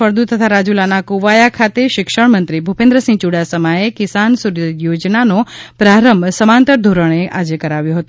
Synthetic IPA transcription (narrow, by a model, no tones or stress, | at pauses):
əɾd̪ut̪ʰət̪ʰaɾad͡ʒulanakuʋajakʰat̪eʃɪkʃəɳmənt̪ɾibʱupẽnd̪ɾəsĩt͡ʃuɽasəmaekɪsansuɾjod͡ʒnanopɾaɾəmbʱsəmant̪əɾd̪ʱoɾəɳ̃eʔad͡ʒekəɾaʋjõɦət̪u